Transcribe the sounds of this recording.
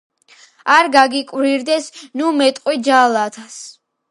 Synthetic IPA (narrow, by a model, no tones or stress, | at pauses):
aɾɡaɡikʼwɾiɾd̪ɛsnumɛt̪ʼqʼwid͡ʒalˠat̪ʰas